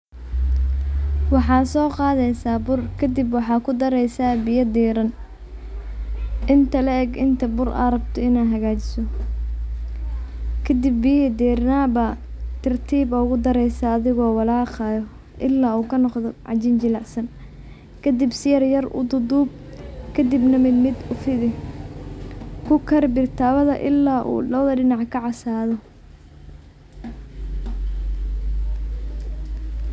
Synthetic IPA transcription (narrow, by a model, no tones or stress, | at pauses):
wɑħɑːsɔːqɑːðɛjsaːbʊrkʰɐd̪ɪbwɑħɑːkʰʊd̪ɐɾɛjsaːbɪjɐd̪iːɾɐn | ʔɪnt̪ʰɐlɛɛɡɪnt̪ʰɐbʊrʔa̰ɾɐbt̪ʰɔɪnaːɦɐɣaːt͡ʃɪ̥sɔ | kʰɐd̪ɪbːɪjɐd̪iːɾnaːbɐt̪ʰɐrt̪ʰiːbɔːɣʊd̪ɐɾɛjsaːðɪɣɔːwɑlaːqɑːjɔ | ʔɪlːaːuːkʰɐnɔqðɔʕɑ̰t͡ʃɪnt͡ʃɪlaʕsɐn | kʰɐd̪ɪbsɪjɐrjɐrʊ̰d̪ʊd̪ub̚ | kʰɐd̪ɪbnɐmɪd̪mɪd̪ʊfɪðɪ | kʰʊkʰɐrbɪrt̪ʰaːβɐðɐ̰ʔɪlːaːʔṵːlɔːðɐɖɪnɑʕkʰɐʕɑsaːðɔ